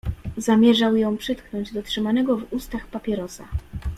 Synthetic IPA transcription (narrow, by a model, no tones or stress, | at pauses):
zamʲjɛʐawjɔ̃w̃pʂɘt̪knɔɲd͡ʑd̪ɔtʂɘmanɛɡɔvust̪axpapʲjɛɾɔsa̰